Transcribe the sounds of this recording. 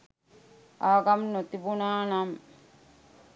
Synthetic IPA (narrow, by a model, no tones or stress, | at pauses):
aːɡɐmnot̪ibunaːnam